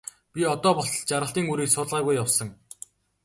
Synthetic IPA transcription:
pʲiɔt̪ɔːpɔɬ̆ɮt͡ɕaɾʁə̆ɬt̪iːŋuɾiːksʊːɮʁaːɣujːawsə̆ŋ

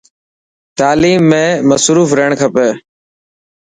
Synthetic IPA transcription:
t̪aːliːmːẽːməsɾuːfɾeɳkʰəpeː

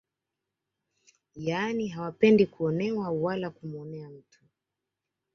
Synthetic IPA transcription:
janiɦawapɛndikuɔnɛwawalakumɔnɛam̩tʰu̥

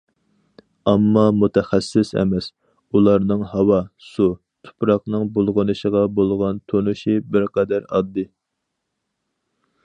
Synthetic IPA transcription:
ɑmːɑmut̪ʰɛχæsːɪsɛ̰mɛs | ulˠɑɾnɨŋhɑwɑsu | t̪ʰu̥pɾɑqnɨŋbolˠʁənɨʃəʁɑbolˠʁɑnt̪ʰonuʃibɪɾqɛd̪æɾɑd̪ːɨ

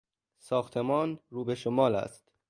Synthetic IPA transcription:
sɒːxt̪ʰe̞mɒːnɾuːbeʃomɒːlæ̰st̪

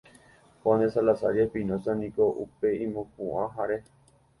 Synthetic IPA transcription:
põnesalasa̰ɾapĩnõt͡sanĩkoʔṵpe̞ĩmõpũʔãɦaɾe

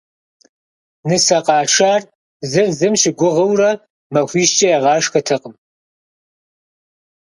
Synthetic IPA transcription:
nɨsɐqʼɑːʂaːr | zɨrzɨmʃɪɡʷʊʁɐwrɐ | mɐxʷiːʃt͡ʃʼɐɛʁɑːʂxɐtʰɨqʼəm

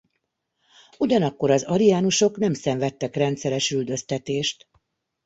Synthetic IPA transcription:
uɟɒnɒkːo̞ɾɒzɒɾijaːnuʃo̞knɛmsɛɱvɛt̪ːɛkrɛnt̪sɛɾɛʃyld̪ø̞st̪ɛt̪eːʃt̪

